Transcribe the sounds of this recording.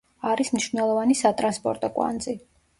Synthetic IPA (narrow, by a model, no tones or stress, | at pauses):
aɾismniʃvnɛlˠɔvanisat̪ʼɾanspʼɔ̰ɾt̪ʼɔkʼwa̰nd̪zi